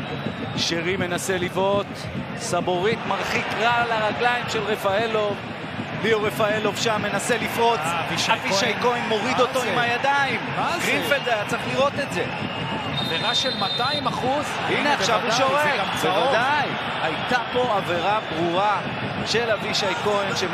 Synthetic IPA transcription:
ʃeʁime̞nase̞livo̞t̪ | sabo̞ʁit̪maʁχikʁalaʁaɡlaimʃe̞lʁe̞faelo̞v | liuʁefaelovʃamːe̞nase̞lifʁo̞t͡siʃaviʃajko̞inːo̞ʁid̪o̞t̪o̞imhajad̪aimɡʁinfelzeajat͡saʁiχliʁo̞t̪e̞tze̞ | aveʁaʃelmat̪aimaχuz | ineaχʃavuʃoʁekvevad̪aj | ajt̪apo̞aveʁabʁuʁa | ʃe̞laviʃajko̞enʃe

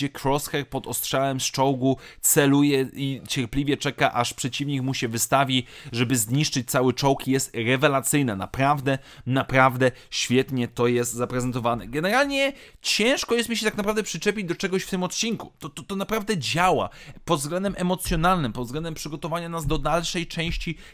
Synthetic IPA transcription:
ɛkɾɔsxɛɾpɔd̪ɔstʂawɛmst͡ʂɔwɡut̪sɛlujɛit͡ɕɛɾplʲivʲjɛt͡ʂɛkaʔaʂpʂɛt͡ɕivɲikmuɕɛvɘst̪avʲiʐɛbɘzɲiʂt͡ʂɘt͡ɕ̚t̪sawɘt͡ʂɔwkijɛst̪ɾɛvɛlat̪sɘjnɛna̰pɾavd̪ɛnapɾavd̪ɛ | ɕfʲjɛt̪ɲɛt̪ɔjɛst̪zapɾɛzɛnt̪ɔvanɛ̰ɡɛnɛɾalɲɛ | t͡ɕɛ̃w̃ʂkɔjɛst̪mʲiɕɛt̪aknapɾavd̪ɛpʂɘt͡ʂɛpʲid͡ʑd̪ɔt͡ʂɛɡɔɕft̪ɘmɔt̪̚t͡ɕinku̥t̪ɔt̪ɔt̪ɔnapɾavd̪ɛd͡ʑawa̰pɔd̪zɡlɛnd̪ɛmʔɛmɔt̪sʲjɔnalnɘmpɔt̪zɡlɛnd̪ɛmpʂɘɡɔt̪ɔvaɲanazd̪ɔd̪alʂɛjt͡ʂɛ̃w̃ɕt͡ɕi

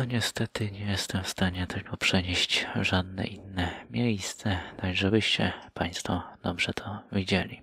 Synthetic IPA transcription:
ɔɲɛst̪ɛt̪ɘɲɛjɛst̪ɛmfst̪aɲɛt̪ʰɘlkɔpʂɛɲeɕt͡ɕʐad̪nɛ̰ʔinːɛmʲjejst̪sɛt̪aɡʐɛbɘɕt͡ɕɛ̰pʰaj̃st̪fɔd̪̥ɔbʐɛt̪ʰɔvʲid͡ʑelʲi

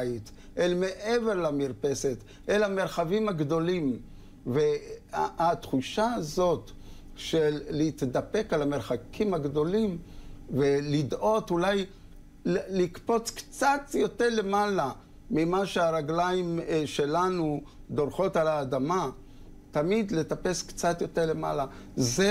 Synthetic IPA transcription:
it̪ | ʔelmeʔeve̞ʁlamiʁpese̞t̪ | ʔelame̞ʁχavimaɡdo̞lim | ve | at̪χuʃaazo̞t | ʃelːeit̪d̪ape̞kalame̞ʁχakʰimhaɡdo̞limvelidʔo̞thulaj | llikpo̞t͡skt͡sat̪jo̞teʁle̞mala | mimaʃeaʁaɡlajimʃelanud̪o̞ʁχo̞talaːdama | t̪amid̪le̞tape̞skt͡sat̪jo̞teʁle̞ma̰laze

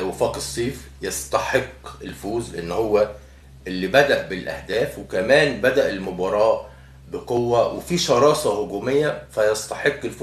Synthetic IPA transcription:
wæfɑːqesˤːiːfjɑst̪ɑħeqːelfuːzlʔenːhowːæ | ʔelːibæd̪æʔbɪlʔæ̰hd̪æːfwekæmæːnbæd̪æʔelmʊbɑɾˤɑːʔ | beqowːæwʔefiːʃɑɾˤɑːsˤɑhoɡuːmejːæfæjɑst̪ɑħeqːelf

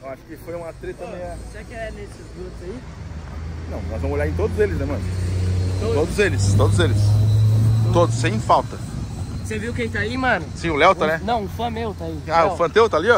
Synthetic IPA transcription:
ewaʃʊ̥kɪfojũmat̪ɾet̪ɐ̃mẽj̃aseakɪɛnesɪzɡozɐi | nɐ̃w̃nɔzvɐ̃m̃ʊzoljaɾẽt̪od̪ʊzelɪznɛmɐ̃nʊ | ood̪ʊzelɪst̪od̪ʊzelɪs | t̪od̪ʊsːẽj̃fawt̪ɐ | seviwʊket̪aimɐ̃nʊsĩʊlɛwt̪ɐnɛnɐ̃w̃ʊfɐ̃mewt̪aiaʊfɐ̃t̪ewt̪aliɔ

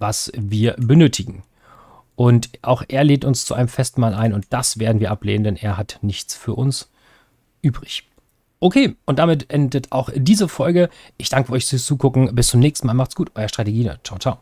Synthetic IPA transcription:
vasviːɐbənøːtʰɪɡŋ̩ | ʔʊntʰʔaʊxʔeːɐleːntʊnst͡suʔa̰ɪnəmfɛstmaːlʔaɪnʊnt̚d̥asv̥eːɐdn̩viːɐʔaplḛːnəndɛnʔeːɐɦatnɪçt͡sfyːɐʔʊns | ʔyːbʁɪç | ʔokʰeːʔʊntd̥amɪtʔɛndətʰa̰ʊxd̥iːzəfɔlɡə | ʔɪçd̥aŋkəʔɔʏçfyːɐst͡suːkʰʊkŋ̩bɪst͡sʊmnɛːkstn̩maːlmaχtsɡ̥uːtʔɔʏʁɐʃtʁ̥ateɡiːnɔ̰tt͡ʃaʊt͡ʃaʊ

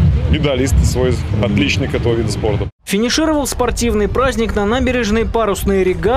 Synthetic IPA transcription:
jʲɪd̪ɐlʲist̪svojɐt̪lʲit͡ɕnɪjkɛt̪əvəvʲid̪əspo̞rt̪ə | fʲɪnʲɪʂɨɾəvəlˠspɐrtʲivnɨjpɾazʲnʲɪknɐnabʲɪɾʲɪʐnɨjəpaɾʊsnɨjəɾʲɪɡa

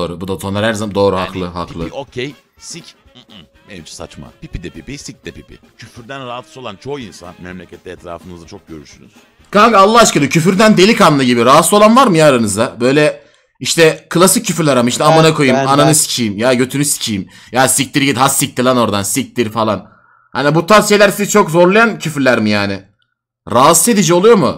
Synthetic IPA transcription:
oːɾubud̪asoaɾhæɾzad̪o̞ːɾuɦa̰klˠɯɦa̰klˠocʰejsic̩ | eit͡ʃʰɛ̥sa̰t͡ʃma̰pipid̪ɛpipisic̚d̪ɛpipḭ | cʰyfyɾd̪ænɾaat̪ˠo̞lˠant͡ʃʰoinsa̰nmɛmlʲecʰɛt̪lʲɛɛt̪ʰɾa̰ːfɯnɯzat͡ʃʰok̚ɟøɾyʃy̰ny̰z̥ | kʰaŋɡalˠːaɦat͡ʃkalˠɯcʰyfyɾd̪ænd̪e̞lʲikanːˠɯɟibiɾaɦat̪sˠo̞lˠanvaɾmɯjaːɾanɯzd̪abø̞jlʲɛ | iʃt̪ʰɛkʰɯlˠasic̚ʰːyfyɾlʲæɾamaiʃnɛamanakʰo̞jumananɯsi̥cʰijimjaɟø̞t̪ʰynysi̥cʰijim | jasic̚t̪iɾɟid̪hasːic̚t̪ʰilˠano̞ɾd̪ansic̚t̪iɾfalˠan | hanibut̪ʰaʃejlʲæɾsizt͡ʃʰo̞kzo̞ɾlˠajancʰyfɾlʲæɾmɯjaːnɪ | ɾaːse̞d̪id͡ʒio̞lˠujo̞mʊ̰

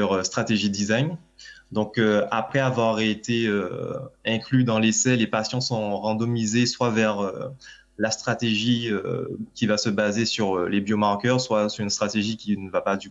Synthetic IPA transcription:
ʁøst̪χat̪eʒid̪izajɲ | d̪ɔ̃køapχɛavwaʁet̪eøɛ̃klyd̪ɑ̃lesɛlepasjɔ̃sɔ̃ʁɑ̃d̪ɔmizeswavɛʁø̰ | last̪χat̪eʒiø̰kʲivasəbazesyʁølebjomaʁkœʁswasyʁynst̪χat̪eʒikʲinəvapad̪y

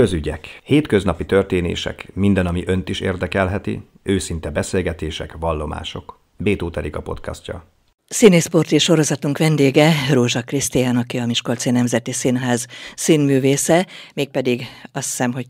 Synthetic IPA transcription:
køzyɟɛkheːt̪kø̞znɒpit̪ø̞rt̪eːnḛːʃɛ̰kmind̪ɛnɒmiʔønt̪iʃḛːrd̪ɛkɛlɦɛt̪ḭ | øːsint̪ɛbɛseːlɡɛt̪eːʃɛkʋɒlːo̞ma̰ːʃo̞k | beːt̪oːt̪ɛɾikɒpo̞̰t̪kʰɒ̰scɒ̰ | sineːspo̞rt̪iʃo̞ɾo̞zɒt̪uŋkʋɛnd̪eːɡɛroːʒɒkrist̪ijaːnɒkiɒmiʃko̞lt̪seːnːɛmzɛt̪isinɦaːzsinmyːveːsɛmeːk̚pɛd̪iɡɒsi̥sɛmɦo̞

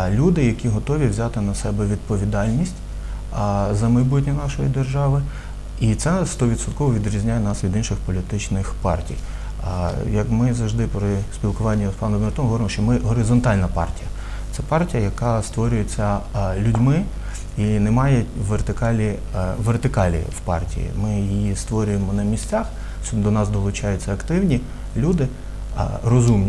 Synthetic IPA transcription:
lʲud̪ɪjɐkʲiɦɔt̪ɔʋʲiwzʲɑt̪ɪnɐsɛbɛʋʲid̪̚pɔʋʲid̪ɑlʲnʲisʲtʲ | zɐmɐjbutʲnʲɐnɑʃɔjḭd̪erʒɑʋɪ | it̪sɛst̪ɔʋʲid̪sɔt̪kɔʋɔʋʲid̪ɾʲizʲnʲajɛnɑsʋʲid̪inʃɪxpɔlʲit̪ɪt͡ʃnɪxpɑ̰rtʲḭj | jɐkmɪzɐʒd̪ɪpɾɪspʲilˠkʊʋɑnʲːɐpɑnɔbmert̪ɔmɦɔʋɔɾɪmɔʃt͡ʃɔmɪɦɔɾɪzɔnt̪ɑlʲnɐpɑ̰rtʲijɐ | t̪sɛpɑrtʲijɐjɐkɑst̪ʋɔɾʲʊjet͡sʲːɐlʲʊdʲmɪ | inɛmɑjɛʋert̪ɪkɑlʲi | ʋert̪ɪkɑlʲḭwpɑ̰rtʲḭjḭmɪjijist̪ʋɔɾʲʊjemɔnɐmʲisʲt͡sʲɑx | sd̪ɔnɑsd̪ɔlˠʊt͡ʃɑjʊt͡sʲːɐɐkt̪ɪwnʲi | lʲud̪ɪ̰ | rɔzumnʲi

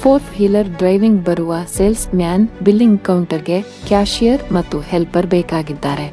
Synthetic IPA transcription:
poːɾt̪ʰhiːləɾɖɾaːɪʋɪ̃ŋɡbɐɾuʋaseːlsmjaːnbɪlːɪ̃ŋɡkawɳʈəɾke | kaːʃijəɾmɐt̪uhɛlpːɐɾbeːkaːɡɪd̪ːaːɾɛː

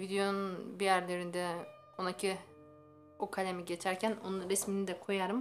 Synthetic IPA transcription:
vid̪ejo̞nunbijæɾlʲeɾind̪ɛ | onacʰi | okʰalʲemiɟe̞t͡ʃʰæɾcʰæno̰nuɾesminid̪ɛkʰo̞jaɾɯm

